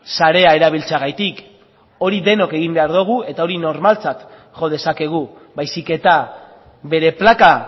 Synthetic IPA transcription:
saɾe̞ae̞ɾaβ̞ilt͡saɣajt̪ik | o̞ɾiðe̞no̞ke̞ɣimbe̞aɾðuɣ̞ue̞t̪ao̞ɾino̞ɾmalt͡sat̪ | ʝo̞ð̞e̞sake̞ɣ̞u | bajsike̞t̪a | βe̞ɾe̞plaka

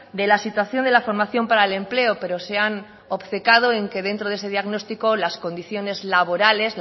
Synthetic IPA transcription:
d̪e̞lasit̪waθjo̞nd̪e̞lafo̞ɾmaθjo̞mpaɾaele̞mple̞ope̞ɾo̞sean | opθe̞kað̞o̞e̞ŋke̞ð̞e̞nt̪ɾoðese̞ðjaɣno̞st̪iko̞lasko̞nd̪iθjo̞ne̞zlaβ̞o̞ɾale̞sz

